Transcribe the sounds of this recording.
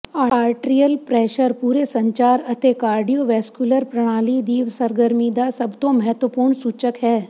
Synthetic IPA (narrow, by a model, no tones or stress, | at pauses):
aaːɾʈɾijəlpɾɛːʃəɾpuːɾesɐ̃ɲt͡ʃaːɾɐt̪ekaːɾɖijoʋɛːskjuləɾpɾɐɽ̃aːlid̪iːʋsɐɾɡəɾmid̪asɐbt̪õmɐɦət̪ʋəpuːɾɳsuːt͡ʃəkɦɛː